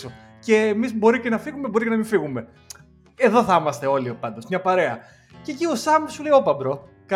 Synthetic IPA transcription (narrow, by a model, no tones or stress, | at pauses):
o | ce̞ːmizbo̞ɾicenɐfiɣume̞bo̞ɾicenɐmĩɱfiɣume̞ | eðo̞θɐmɐst̪e̞o̞lipɐnd̪o̞smɲɐpɐɾe̞ɐ | ce̞ciosɐmsuleiopɐbɾo | kɐ